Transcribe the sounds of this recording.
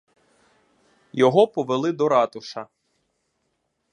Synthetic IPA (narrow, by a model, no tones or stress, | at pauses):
jɔɦɔpɔʋelˠɪd̪ɔɾɑt̪ʊʃɐ